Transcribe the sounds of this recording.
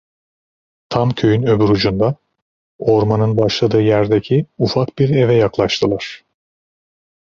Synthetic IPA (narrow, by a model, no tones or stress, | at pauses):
t̪ʰamcʰø̞jynø̞byɾud͡ʒund̪a | o̞ɾmanɯnbaʃlˠad̪ɯːjæɾd̪ecʰiufakbiɾe̞vɛjaklˠaʃt̪ʰɯlˠaɾ̥